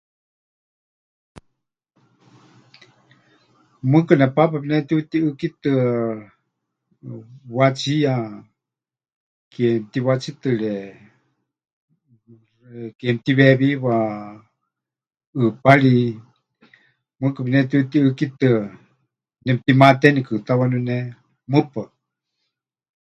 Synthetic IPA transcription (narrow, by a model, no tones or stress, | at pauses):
mɨkɨnɛpap̬apinɛt̪iut̪iɨkit̪ɨ | wat͡sija | kɛmt̪iwat͡sit̪ɨɺɛ | kɛmt̪iβɛβiwa | ɨpaɺi | mɨkɨpinɛt̪it̪iɨkit̪ɨ | nɛpt̪imat̪ɛnikɨt̪awanunɛ | mɨpɨ